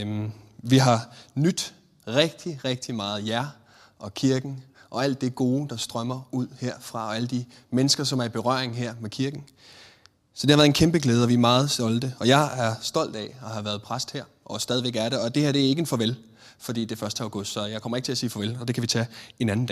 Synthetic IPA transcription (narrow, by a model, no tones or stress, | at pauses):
ʋiɦɑ̈nyd̥ | ʁɛɡ̥̚d̥iʁeɡ̥̚d̥imɑ̈ːð̞̩ˠjæɐ | ʔɒ̽kʰiɐɡ̥n̩ | ʔɒ̽æl̰d̥ːeɡ̥o̝ːd̥ɑ̈sd̥ʁɶmɐuð̰ˠheɐ̰fʁɑ̈ɒ̽æləd̥i | menəsɡ̥ɐsɒ̽mæɐib̥e̝ʁɶɐ̰eŋɦeɐ̰mekʰiɐɡ̥n̩ | sɒ̽d̥e̝hɑʋæɐð̩ˠenkʰemb̥əɡ̥leːðˠɒʋiæɐmɑ̈ːð̞̩ˠsɒ̽ld̥əɒ̽jɑ̈ɪæɐsd̥ɒ̽l̰d̥ɛɒ̽ɦɑ̈ʋæːɐðˠpʰʁasd̥heɐ̰ʔɒ̽sd̥ɛːðˠiʋeɡ̥æɐɾeɒ̽d̥e̝heɐ̰d̥e̝æɐe̝ɡ̥əenfɒʋel | fɒ̽d̥ḭːd̥e̝fɶɐsd̥əæ̈ʊɡ̥ɔd̥sɒ̽jɑ̈ɪkʰɒ̽mɐeɡ̥ət͡sʰe̝æɐsiːfɒʋelɒ̽d̥e̝kʰæʋit͡sʰɛe̝næn̩dɛː